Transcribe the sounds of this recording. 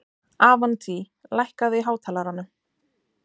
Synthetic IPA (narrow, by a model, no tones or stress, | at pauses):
aːvant̪ʰi | lajhkaðɪɦaːwt̪ʰaːlaɾanːʏ